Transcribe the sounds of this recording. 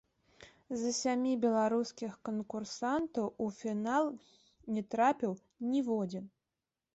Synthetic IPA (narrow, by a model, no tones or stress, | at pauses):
zɐsʲamʲibʲɛlˠaɾuskʲixkənkursant̪ɐwufʲinalˠ | nʲɛt̪ɾapʲiw | nʲivɔd͡zʲin